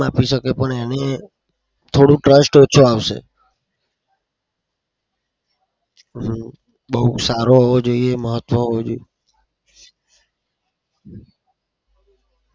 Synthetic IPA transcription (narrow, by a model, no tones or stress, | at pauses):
apiʃəkepəɳene | t̪ʰoɽũʈɾəsʈot͡ʃʰoaʋʃḛ | ɦ | bəɦusaɾoɦəʋod͡ʒoieməɦət̪ʋəɦəʋod͡ʒoi